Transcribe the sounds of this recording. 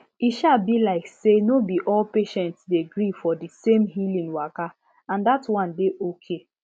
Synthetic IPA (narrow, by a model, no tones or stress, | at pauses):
iʃalbilaɪksenobiʔɔlpeʃɛ̃ntsdeɡɹifɔdisẽmɦilĩŋwaka | ãndatwɔ̃ndeʔokʰe